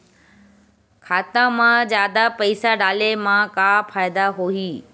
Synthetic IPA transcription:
kʰaːt̪ãmãd͡ʑjaːd̪apɐɪsaɖaːlemãkafaːɪd̪aɦoiː

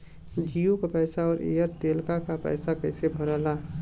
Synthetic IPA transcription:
d͡ʒijokapɛːsaɔːɾʔḛjəɾt̪eːlkakapɛ̰ːsakəɪsebʱɔɾəɦla

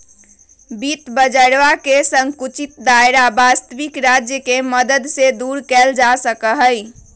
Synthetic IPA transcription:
bit̪bəd͡ʒəɽʋakesəŋkut͡ʃit̪̚d̪ajɾabast̪əʋikɾad͡ʒjəkeməd̪əd̪sed̪uɾkɛld͡ʒasəkəɦəj

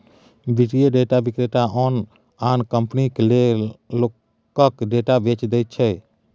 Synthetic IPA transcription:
biʈieɖeʈabikɾeʈaʔɔːn | aːnkəmpniklelo | kːəkɖeːʈabet͡ʃd̪ɛjt̪̚t͡ʃʰɛ

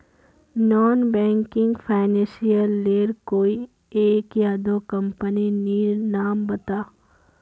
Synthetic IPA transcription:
nɔːnbɛ̃ːŋkɪ̃ŋɡpʰaːɪnɛ̃ːsijəlːeːɾkoːi | eːkjad̪oːkɐ̃mpəniniːɾnaːmbɐt̪aː

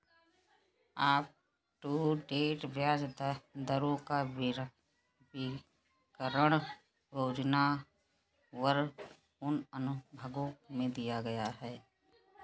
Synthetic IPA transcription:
aːp̚ | ʈuːɖeːʈbjaːd͡ʒd̪d̪əɾõka | ɪ | kəɾəɽ̃ | ɾoːd͡ʒna | wəɾ | ʊnənʊbʱəɡõmẽd̪ijaɡɐjaɦɛː

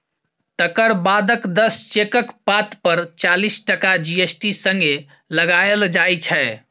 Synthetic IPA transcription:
t̪əkəɾbad̪əkd̪əst͡ʃekəkpat̪pəɾt͡ʃalisʈəkad͡ʒiesʈisəŋɡe | ləɡaəld͡ʒajt͡ʃʰɛ

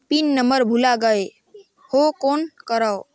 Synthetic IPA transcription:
pinːəməɾbʱulaɡəe | hokonkəɾəw

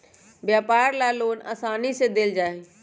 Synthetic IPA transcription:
bjaːpaːɾlaːloːna̰saːnised̪eld͡ʒaːɦe

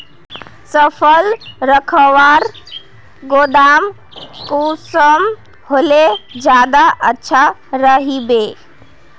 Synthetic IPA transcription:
səpʰəlɾəkʰəʋaɾ | ɡod̪am | kusəm | ɦoled͡ʒjad̪aʔətːʃʰaɾəɦibe

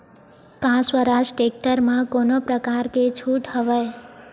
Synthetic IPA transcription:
kãswəɾaʃʈek̚ʈəɾmãkonopɾəkaɾket͡ʃʰuʈɦəʋaj

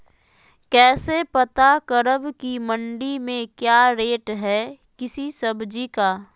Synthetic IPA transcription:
kɛːsepət̪akəɾəbkimə̃ɳɖimẽkjaːɾeːʈɦɛ | kɪsisəbd͡ʒikaː

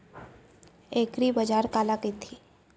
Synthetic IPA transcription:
eːkɾibəd͡ʒaːɾkaːlakit̪ʰi

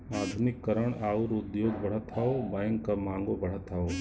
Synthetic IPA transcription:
aːd̪ʱunɪkːəɾəɳ̃aːuɾud̪joːɡ̚bɐɽ̤ət̪ʰaːobajŋkkɐmãːŋɡobɐɽ̤ət̪ʰaːo

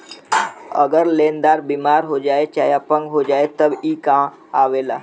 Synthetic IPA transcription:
ə̰ɡəɾleːnd̪aːɾbiːmaːɾɦod͡ʒaːet͡ʃa̰ːjapəŋɡɦod͡ʒaːet̪əbiːkã | aʋela̰ː

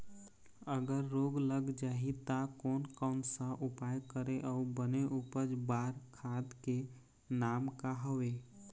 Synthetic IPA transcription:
əɡəɾːoːɡləɡd͡ʒaːɦit̪akɔːnkɔːnsaʔʊpaːjkəɾeʔɔːbəneʔupəd͡ʒbaːɾkʰaːd̪ke | naːmkaɦɔʋeː

